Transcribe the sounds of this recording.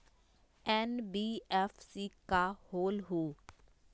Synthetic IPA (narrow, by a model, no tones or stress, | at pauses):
ɛːnbiːɛːfʰsiːkahoːlɦoː